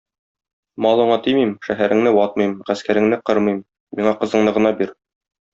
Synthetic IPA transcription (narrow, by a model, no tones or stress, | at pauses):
mɑlˠɤ̆ɴɑt̪imimʃæɦæɾɘ̆ŋnɘwɑt̪̚mɤjmʁæskæɾɘ̆ŋnɘqɤɾmɤjmː | iɴɑqɤ̆zɤ̆ɴnɤʁɤ̆nɑbiɾ